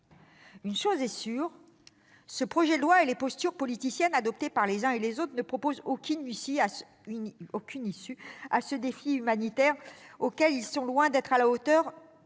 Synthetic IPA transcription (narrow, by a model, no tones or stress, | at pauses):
ynʃozɛsyʁ | səpχɔʒɛd̪əlwaelepɔst̪yʁpɔlit̪isjɛnad̪ɔp̚t̪epaʁlezɛ̃elezot̪χnəpχɔpozokʲynisia | okʲʰynisyasəd̪efiymanit̪ɛʁokʲɛlilsɔ̃lwɛ̃d̪ɛt̪χalaot̪œʁ